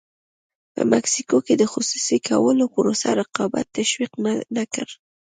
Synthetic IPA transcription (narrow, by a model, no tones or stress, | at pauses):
pə̰maksikoked̪əxʊsu̥sikʰawəlopʊɾosaɾaqɑba̰t̪ːaʃwiqnakəɾ